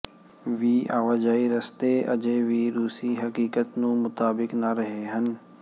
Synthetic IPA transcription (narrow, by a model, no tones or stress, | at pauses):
ʋiːa̰ːʋaːd͡ʒaːiɾɐst̪eɐ̰d͡ʒeʋiːɾuːsiɦɐkiːkət̪nũmʊt̪aːbɪknaɾɐɦeɦən